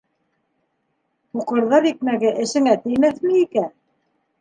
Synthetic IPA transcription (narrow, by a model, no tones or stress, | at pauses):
tuqɤ̆ɾðɑɾik̚mæɡɘʔɘ̆ʃɘ̆ŋæt̪ɘ̆jmæθmɘ̆ikæ